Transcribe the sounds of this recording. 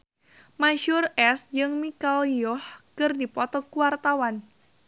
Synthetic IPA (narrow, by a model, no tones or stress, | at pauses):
maʃʊrɛsd͡ʒɨŋmikaliɔhkɨrdipɔt̪ɔkuwart̪awan